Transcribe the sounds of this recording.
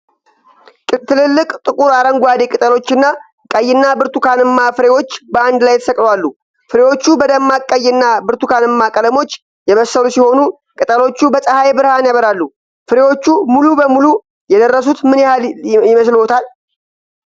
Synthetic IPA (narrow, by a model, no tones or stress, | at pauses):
t̪ʰɨlɨlːɨkʼt̪ʼɨkʼuɾaɾəŋɡʷad̪e̞kʼɨt̪ʼəlo̞t͡ʃːɨnːa | kʼəjːɪnːabɨɾt̪ukʰanɨmːafɨɾe̞wo̞t͡ʃːbəand̪lajt̪ʰə̥səkʼlwalːu | fɨɾe̞wo̞t͡ʃːubəd̪əmːakʼːəjːɪnːabɨɾt̪ukanɨmːakʼələmo̞t͡ʃː | jɛβəsːəlusiho̞nu | kʼɨt̪ʼəlo̞t͡ʃːubəsʼəhajbɨɾhanjaβəɾalːu | fɨɾe̞wo̞t͡ʃːumulubəmulu | jɛd̪ərːəsut̪mɨnjɪhaljjɪməslhot̪ʰal